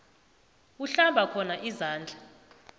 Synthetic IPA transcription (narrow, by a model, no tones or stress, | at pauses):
uɬaɓakʰɔnaʔizaːnd͡ɮʱa